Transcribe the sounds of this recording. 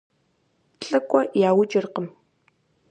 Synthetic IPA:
ɬʼɨkʷʼɔjaːwʊd͡ʒɪrqəm

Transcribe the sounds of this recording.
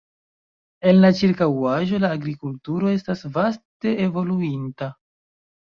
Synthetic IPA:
e̞nlat͡ʃiɾkawaʒo̞laːɡɾikultuɾo̞e̞stasvaste̞evo̞luinta

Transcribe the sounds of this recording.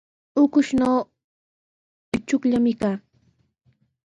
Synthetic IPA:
ʊkʊʃnoː | ɪt͡ʃʊkʎamɪkaː

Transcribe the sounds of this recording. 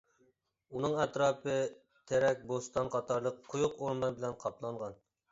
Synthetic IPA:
unɨŋɛt̪ɾɑːpɨ | t̪ʰɛɾɛk̚ʲbost̪ɑnqʰɑt̪ɑɾlˠəqʰːʊjuqoɾmlˠɑɾbɪlɛnqʰɑplˠɑɴʁɑn

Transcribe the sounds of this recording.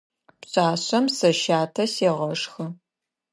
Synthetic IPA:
pɕʼaːɕɐmsɐʃaːtʰɐseːʁɐʂxɨ

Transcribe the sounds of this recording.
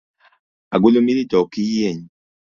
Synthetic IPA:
aɡulomilitɔkiieɲi

